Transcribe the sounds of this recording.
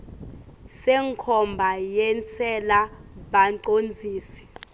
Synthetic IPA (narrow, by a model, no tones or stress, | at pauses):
sɛŋkʰɔmbʱajɛnt͡sʰɛlaɓanǃond͡zʱiːsi̥